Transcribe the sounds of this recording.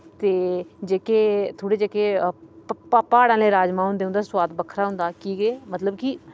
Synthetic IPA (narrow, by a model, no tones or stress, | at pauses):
t̪eːd͡ʒeːkeːt̪ʰoːɽeːd͡ʒeːkeː | pːpaːɽãːleːɾaːd͡ʒmãːɦʊ̃nd̪eːʊ̃nd̪aːswaːd̪bəkʰɾaːɦʊ̃nd̪aːkiːɡeːmət̪ləbkiː